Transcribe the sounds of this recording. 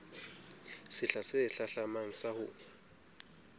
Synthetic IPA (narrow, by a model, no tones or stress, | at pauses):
sɪɬasɛɬaɬamaŋ̩sahʊːnɛ